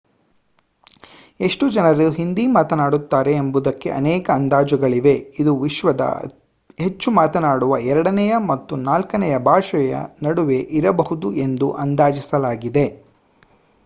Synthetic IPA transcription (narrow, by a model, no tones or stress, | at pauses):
e̞ʂʈud͡ʒɐnɐɾuɦind̪imaːt̪ɐnaːɽut̪ːaːɾe̞ːmbud̪ɐkːe̞̰ʔɐ̰nɛːkɐːnd̪aːd͡ʒɐɡɐɭiʋe̞id̪uʋiʃʋɐd̪ɐ̰ | ɦe̞t͡ʃːumaːt̪ɐnaːɽuʋɐɛɾɐɽɐnɛjɐmɐt̪ːunaːlkɐnɛjɐbʱaːʃɐjɐ̰nɐɽuʋe̞ʔiɾɐbɐɦud̪uʔe̞nd̪uʔɐnd̪aːd͡ʒisɐlaːɡid̪e̞